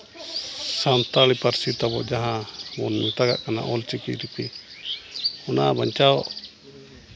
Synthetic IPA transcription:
sant̪alipaɾsit̪abɔd͡ʒaɦãmɔnmit̪aɡa̰ʔkana̰ʔɔlt͡ʃikiɾipi | ɔnaabaɲt͡ʃaɔʔ

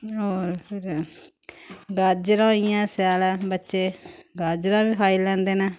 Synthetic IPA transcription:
oːɾpʰɪɾ | ɡaːd͡ʒɾãːijãːsjaːlɛːbətːʃeːɡaːd͡ʒɾãːbiːkʰaːiːlɛ̃ːnd̪eːnaː

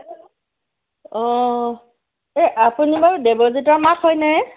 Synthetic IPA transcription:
ɔ̃ | eʔapunibaɹudebozitɔɹmakɦɔjnajɛ

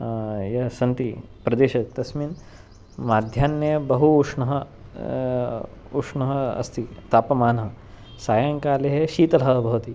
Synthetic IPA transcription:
jɐsɐnt̪i | pɾɐd̪eːʃɐt̪ɐsmin | maːd̪ʱjaːnjɐjɐbɐɦuuʂɳɐɦɐ | uʂɳɐɦɐɐ̰st̪ʰit̪aːpɐmaːnɐɦɐ | saːjaŋkaːleɦeʃiːt̪ɐlɦɐɦɐbʱɐʋɐt̪i

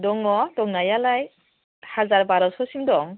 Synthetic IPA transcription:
dɔŋɔdɔŋnajalaj | hazaɾbaɾɔsɔsimdɔŋ

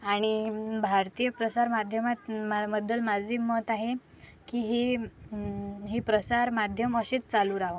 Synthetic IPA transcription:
aɽ̃ibʱaɾt̪ijəpɾəsaɾmad̪ʱjəmat̪maməd̪əlmad͡zʱiːmət̪aɦe | kiːɦi | ɦipɾəsaɾmad̪ʱjəməɕet͡st͡saluːɾaʋə

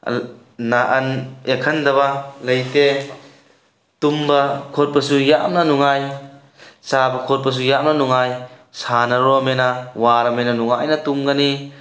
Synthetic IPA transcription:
naʔɐnekʰɐnd̪ɐbalɐjt̪e | t̪umbɐkʰɔt̚bɐsujaʔmnɐnuŋaj | t͡ʃabɐkʰɔt̚bɐs̬ujamnanuŋajsanɐɾɔmenawaɾɐmenɐnuŋajnɐt̪umɡani

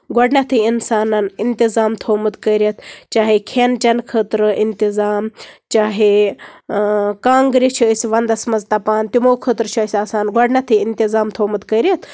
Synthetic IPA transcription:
ɡɔɖnɐt̪ʰɨinsaːnɐnint̪izaːmt̪ʰoːmɨt̪kəɾiɐt̪ʰt͡ʃaːɦekʰent͡ʃɐnkʰət̪ɾɨʔint̪izaːmt͡ʃaːɦe | kaːŋɡɾit͡ʃʰusʋɐnd̪ɐsmɐzt̪ɐpaːnt̪imoːkʰət̪ɾt͡ʃʰɐisʲaːsaːnɡɐɖnɐt̪ʰiint̪izaːmt̪ʰoːmɨt̪kəɾɐt̪ʰ

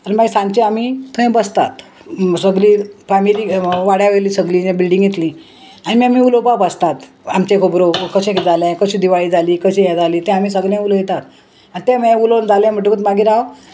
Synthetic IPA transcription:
animaɡisãnt͡ɕẽamit̪ʰə̃j̃bəst̪at̪ | səɡliːpamiɾiːʋaɽjaʋeliːsəɡliːd͡ʑẽbilɖĩŋɡjet̪lĩ | animiamiːulopabəst̪at̪amt͡ɕẽkʰobɾokəɕẽkid͡zalɛ̃kəɕiːd̪iʋaɭiːd͡zʱaliːkəɕĩjɛd͡zʱaliːt̪ẽam̤iːsəɡɭẽulojet̪at̪ | anit̪ẽmeẽulond͡zalɛ̃m̤əʈekət̪maɡiːɾa

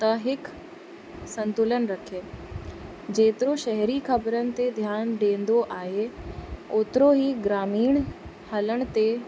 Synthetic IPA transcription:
t̪ɐɦɪk | sɐ̃nt̪ʊlənɪ̆ɾɐkʰeː | d͡ʑeːt̪ɪɾoʃɛɦɾikʰɐbəɾənɪ̆t̪ed̪ʱjaːnɖẽːn̆d̪oʔaːɦe | oːt̪ɪɾoɦiɡɾaːmiːɽ̃ | hɐləɽ̃ə̆t̪e

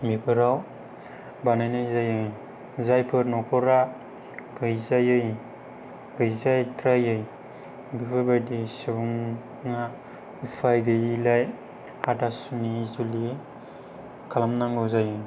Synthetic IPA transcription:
bipʰɯɾaw | banajnɯjzajɯ | zajpʰɯɾnɔkʰɔɾa | ɡɯjzajɯj | ɡɯjzajtɾajɯj | bipʰɯɾbajdisɯbuŋ | na | upʰajɡɯjilaj | adasumizuli | kʰalamnaŋɡɯwzajɯ

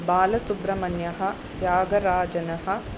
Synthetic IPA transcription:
baːlɐsubɾɐmɐnjɐɦɐ̆ | t̪jaːɡɐɾaːd͡ʒɐnɐɦɐ̆

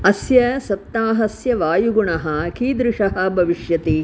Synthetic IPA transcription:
ɐsjɐsɐp̚t̪ːaːɦɐsjɐʋaːjuɡuɳɐɦɐ̆kiːd̪ɾɪʂɐɦɐ̆bʱɐʋiʂjɐt̪i

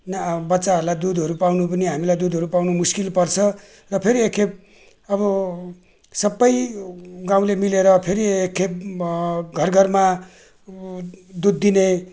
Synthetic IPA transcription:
nbʌtːsaɦʌɾulajd̪ud̪ʱɦʌɾupawnupʌniɦamilajd̪ud̪ʱɦʌɾupawnumuskilpʌrt͡sʰʌ | rʌpʰeɾiekʰːep̚ | ʌbʌ | sʌbːʌjɡãw̃lemileɾʌpʰeɾiekʰːep̚ | ɡʱʌrɡʱʌrma | d̪ud̪ːine

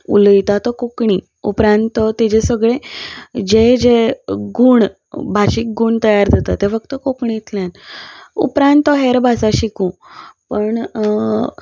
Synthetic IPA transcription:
ṵlit̪at̪ɔkokɳi | upɾãnt̪ət̪ed͡ʑesəɡɭed͡ʑed͡ʑeɡuːɳ | bʱaɕiːk̚ɡuɳt̪əjaɾd̪ʱat̪at̪ːefəkt̪əkokɳit̪ljanṵpɾãnt̪əɦeɾbʱasaɕikũpəɳ

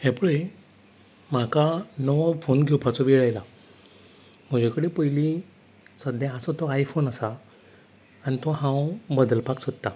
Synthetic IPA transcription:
hepɭə | makanəʋfonɡʱiwpʰat͡sɔʋiɭajla | m̤əd͡ʑʱekəɽepəjli | səd̪jaasɔt̪ɔajfonasa | ñit̪ɔɦãwbəd̪əlpaksɔt̪ːa

